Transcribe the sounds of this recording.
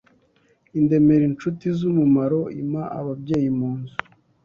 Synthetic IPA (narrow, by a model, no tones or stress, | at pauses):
inde̞me̞ɾint͡ʃutizumumaɾo̞imaʔaβabɟe̞ːjimuːnzu